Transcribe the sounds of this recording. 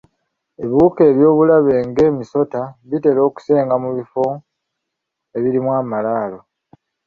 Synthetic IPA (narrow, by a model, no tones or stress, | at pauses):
e̞βuːke̞ːβjo̞ːβulaβe̞ːŋɡe̞ːmiso̞taβite̞lo̞ːku̥se̞ːŋɡamuβifo | e̞βiɾimwaːmalaːlo̞